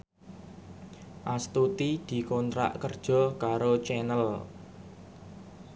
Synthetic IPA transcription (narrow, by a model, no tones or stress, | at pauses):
ʔast̪ut̪id̪̥i̤kont̪ɾa̰ʔkərd̥ʒ̥ɔ̤kaɾot͡ʃɛnəl